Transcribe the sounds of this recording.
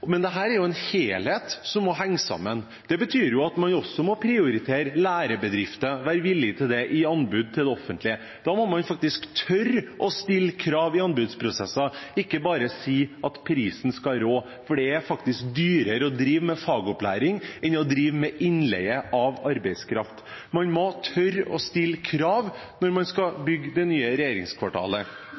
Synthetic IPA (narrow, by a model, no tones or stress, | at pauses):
mɛnd̪ɛɦæːɾæɾjʊɛnheːlheːt̪sɔmːɔɦæŋːsɑ̰mːən | d̪̥ɛbət̪ʰyːɾjʊɑt̪mɑnɔsːɔmɔpʰɾɪʊɾɪt̪ʰeːɾəlæːɾəbəd̪ɾɪft̪əʋæːɾʋɪlːɪt̪ʰɪld̪ɛʔɪɑnbʉːd̪̚t̪ʰɪld̪ɛɔfːənt̪lɪə | d̪̥ɑːmɔmɑnfɑk̚t̪ɪskt̪ʰœɾʔɔst̪ɪlːkʰɾɑːʋɪɑnbʉd̪spʰɾʊsɛsːɑɪkːəbɑːɾəsiːɑt̪pʰɾiːsnskɑɾoː | fɔɖɛæfɑkt̪ɪsk̚d̪yːɾəɾəɔd̪ɾiːʋmɛfɑːɡʊplæ̰ːɾɪŋɛnːɔd̪ɾiːʋmɛʔɪnlɛ̰ɡəʔɑʋɑɾbæɪskʰɾɑft̪ | mɑnmɔt̪ʰœɾɔ̰st̪ɪlːkʰɾɑːʋ | nɔɾmɑnskɑbʏɡd̪ɛnyːəɾɛjeːɾɪŋskʰʋɑʈʰɑ̰ːlə